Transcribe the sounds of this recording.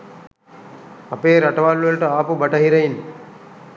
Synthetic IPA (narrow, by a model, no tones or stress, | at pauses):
ɐpeːɾɐʈɐʋalːuəlʈəaːpubɐʈɐɦiɾɐin